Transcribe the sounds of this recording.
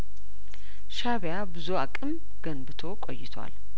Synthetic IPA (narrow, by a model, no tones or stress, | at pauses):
ʃaβjabɨzuakʼɨm | ɡənbɨt̪ʰo̞kʼo̰jːɪt̪ʰwa̰l